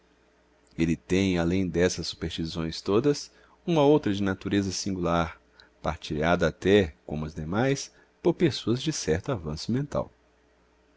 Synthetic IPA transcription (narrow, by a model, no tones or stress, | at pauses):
elɪt̪ẽj̃alẽj̃d̪ɛsɐsːu̥peɾst͡ʃizõj̃st̪od̪ɐs | ũmɐowt̪ɾɐd͡ʒɪnat̪uɾezɐsĩŋɡulaɾ | paɾt͡ʃiʎad̪ɐːt̪ɛkõmʊɐzd̪emajs | poɾpesoɐzd͡ʒɪsɛɾt̪ʊavɐ̃sʊmẽnt̪a̰w